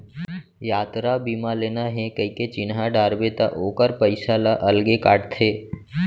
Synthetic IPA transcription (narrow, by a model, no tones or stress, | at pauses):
jaːt̪ɾabiːmaleːnaɦɛ̃kəiket͡ʃɪnɦaɖaːɾbet̪a̰ʔoːkəɾpəɪsalaʔɐlɡekaːʈt̪ʰeː